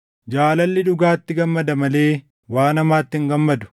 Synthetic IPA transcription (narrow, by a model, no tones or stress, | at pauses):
d͡ʒaːlɐlːɪᶑʊɡaːt̪ːɪɡɐmːɐd̪ɐmɐle̞ː | waːnɐmaːt̪ːɪŋɡɐmːɐd̪ʊ̥